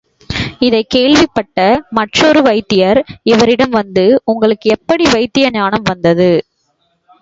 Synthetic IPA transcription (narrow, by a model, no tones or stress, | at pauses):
ɪðɐɪkeːɭʋɪpːɐʈːɐmɐʈrɔɾɯʋɐɪt̪ːɪjɐɾɪʋɐɾɪɽɐmʋɐnd̪ɯʊŋɡɐɭɯkːɯɛpːɐɽiʋɐɪt̪ːɪjɐnjaːnɐmʋɐnd̪ɐðɯ